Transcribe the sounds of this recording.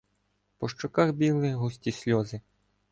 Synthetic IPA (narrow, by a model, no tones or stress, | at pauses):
pɔʃt͡ʃʊkɑxbʲilˠɪɦusʲtʲisʲlʲɔzɪ